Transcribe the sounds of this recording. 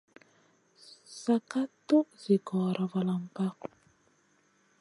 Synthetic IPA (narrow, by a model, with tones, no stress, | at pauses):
sa˨ka˦t̪o˦zi˨kɔ˨ɾa˨va˨la˨mpa˦